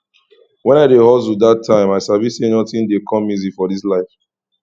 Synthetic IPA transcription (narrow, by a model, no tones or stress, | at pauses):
wɛ̃naɪdehɔz̬udatʰːãɪ̃maɪʃabisenɔtĩndekʰɔ̃mːizifɔdislaɪf